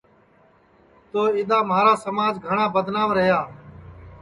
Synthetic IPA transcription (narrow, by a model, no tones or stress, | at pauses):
t̪oːɪːɗ̪aːmaːɾaːsəmaːd͡ʒɡʱəɳaːbəd̪ʱnaːʋɾəɦjaː